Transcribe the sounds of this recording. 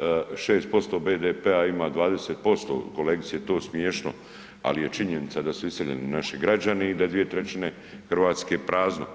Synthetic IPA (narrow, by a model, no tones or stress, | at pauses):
ʃeːst̪̚po̞st̪o̞ːbeːd̪epeaimaːd̪ʋaːd̪eseːt̪̚po̞st̪o̰ːkoleːɡt̪sijet̪o̞ːsmjeːʃno̰ | a̰lije̞t͡ʃiɲenit̪sad̪asuiseʎḛninaʃiɡɾad͡ʑaneid̪ad̪ʋijet̪ɾet͡ɕine̞ | xr̩ʋaːt̪skepɾʔaːzno̰